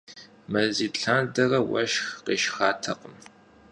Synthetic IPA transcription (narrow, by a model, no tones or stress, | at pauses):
mɐziːɬʰaːndɐrɐwɐ̰ʃxqeːʃxaːtʰɐqəm